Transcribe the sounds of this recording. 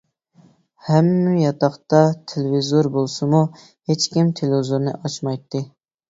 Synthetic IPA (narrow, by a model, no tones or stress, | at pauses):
hɛmːɪjɑt̪ɑχt̪ɑt̪ʰelɪvizoɾbolˠsɨmu | het͡ʃkʲimt̪ʰelɪzoɾnɨ̰ʔɑt͡ʃmɑjt̪ːɨ